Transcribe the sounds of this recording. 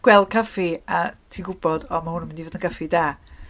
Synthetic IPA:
ɡ̥wɛlˠkʰafiatʰiɡʊbɔdɔmahʊnəmɪndivoːdənkʰafidaː

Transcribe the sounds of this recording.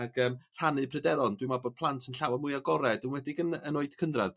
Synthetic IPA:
aɡəːmr̥anɨpʰrɨdɛɾɔndwɨmɔbɔd̚pʰlˠantʰənɬawamʊjaɡɔɾɛdənwɛdɪɡənənoɨd̥kʰəndrað

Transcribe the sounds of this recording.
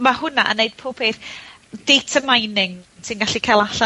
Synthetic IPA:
mahʊnaʔə̰nejd̥̚pʰoːpʰeθ | d̥ejtʰəmajnɪŋtʰinɡaɬikʰaːlˠaɬa

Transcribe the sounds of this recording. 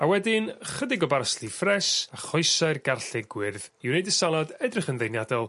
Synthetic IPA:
awɛdɪnχədɪɡɔbarslˠifrɛsaχɔɨsaɨrɡarɬɪɡwɪrðiwɾejdəsalˠadɛdrɪχənðejnjadɛlˠ

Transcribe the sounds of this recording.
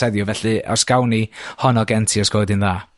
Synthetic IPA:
ɛðjɔvɛɬɨɔ̰rsɡ̥awnihɔnɔɡɛntʰiɔsɡ̥ɔːdɨnðaː

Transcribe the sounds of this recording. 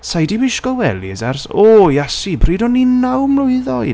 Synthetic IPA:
sajdibɪʃkɔwɛlizarsoːjɛsibʰriːdɔnːinawmlʊɨðɔɨ

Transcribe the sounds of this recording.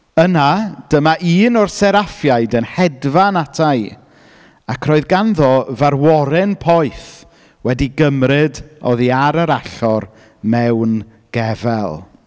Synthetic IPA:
ənad̥əmaʔiːnɔrsɛɾafjajdənhɛdvanatʰaj | akʰrɔːɨðɡanðɔvarwɔɾɪnpʰɔjθ | wɛdiɡəmrɪdɔðiaɾəɾaɬɔr | mɛwn | ɡ̥ɛvɛ̰lˠ

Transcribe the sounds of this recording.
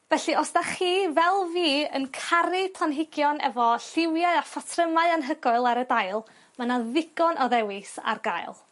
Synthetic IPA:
vɛɬiɔsdaχiːvɛlˠviːənkʰaɾɪpʰanɦɪɡjɔnɛ̰vɔɬɪwjaɨafatʰrəmaɨanɦəɡɔɨlˠaɾədajlˠ | manaðɪɡ̥ɔnʔɔðɛwɪsa̰rɡajlˠ

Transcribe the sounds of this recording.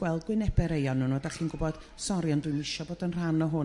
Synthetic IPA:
ɡwɛlˠd̚ɡwɪnɛbɛɾejɔnːunɔdaχiːnɡʊbɔd̥ | sɔɾjɔndwʊɨmɪʃɔboːdənr̥anɔɦʊ

